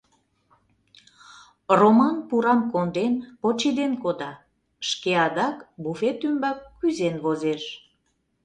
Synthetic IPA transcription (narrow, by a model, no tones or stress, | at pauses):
romɑnpuɾɑmkond̪enpot͡ɕid̪enkod̪ɑ | ʃkeɑd̪ɑkbufet̪ymbɑkːyzenβozeʃ